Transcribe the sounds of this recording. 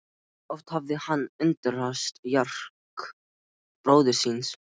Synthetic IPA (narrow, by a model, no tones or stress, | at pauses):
ɔft̪havðɪhanːʏnt̪ɪɾast̪jar̥k | b̥ɾoːwðɪ̥sins